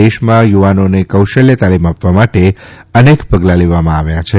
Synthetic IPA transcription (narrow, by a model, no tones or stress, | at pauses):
eʃmãjuʋanonekəwʃəljət̪alimapʋamaʈeənekpəɡlaleʋamãaʋjat͡ʃʰe